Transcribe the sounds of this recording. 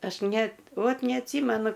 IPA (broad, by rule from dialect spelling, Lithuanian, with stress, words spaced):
ˈɐʃ ˈnʲɛt ˈʋoːt nʲɛɐtʲˈsʲiːmʲɛnʊ